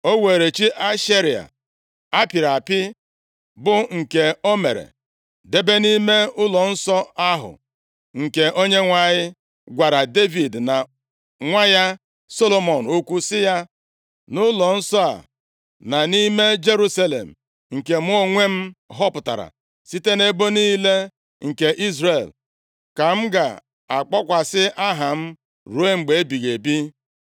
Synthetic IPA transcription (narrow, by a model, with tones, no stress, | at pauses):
o˦we˨ɾe˨t͡ʃi˦ʔa˦ʃe˦ɾi˨a̰˨ | a˦pɪ˨ɾa˨pɪ˦ | bʊ˨ŋ̩˨ke˨o˦mḛ˨ɾḛ˨ | de˦be˦ni˦me˦ʊ˦lɔ˨n̩˦sɔ˦a˦ɦʊ̰˨ | ŋ̩˨ke˨ʔo˦ɲe˦ŋʷa˨ɲɪ˦ | ɡʷa˨ɾa˨de˦vi˨dna˨ | ŋʷa˦ja˦ | so˦lo˦mo˨n̩˨ʊ˦kʷu˦sɪ˦ja˦ | nʊ˦lɔ˨n̩˦sɔ˦a̰˨ | na˨ni˦me˦d͡ʒe˦ɾu˦sa˦lḛ˨m̩˨ | ŋ̩˨ke˨m˦o˦ŋʷe˦m̩˦ɦɔ˦pʊ˨ta̰˨ɾa̰˨ | si˦te˦ne˦bo˦niː˦le˦ | ŋ̩˨ke˨ʔi˦zɾe˨l | ka˨m̩˦ɡa̰˨ | a˨k͡pɔ˦kʷa˨sɪ˦ʔa˦ɦa˨m̩˦ | ɾu˨˦e˦ŋ͡m̩˨ɡ͡be˨e˦bi˨ɣe˨bi˦